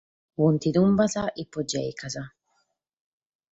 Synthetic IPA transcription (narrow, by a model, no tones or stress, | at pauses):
wunt̪id̪umbazaʔipːɔd͡ʒɛ̰jkaza